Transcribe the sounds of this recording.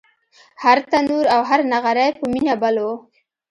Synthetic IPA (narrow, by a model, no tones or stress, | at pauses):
haɾt̪anuɾawɦaɾnaɣaɾajpəminabalo